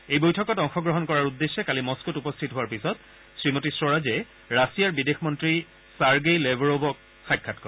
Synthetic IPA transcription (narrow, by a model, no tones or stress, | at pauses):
ejbojtʰɔkɔtɔŋxɔɡɹɔɦɔnkɔɹaɹudːesːɛkalimɔskutupɔstʰitɦʊaɹpisɔt | sɹimotisɹɔɹazɛ | ɹasijaɹbidexmɔntɹi | saɹɡejlebɔɹobɔk̚ | xajkʰːatkɔ̰ɹ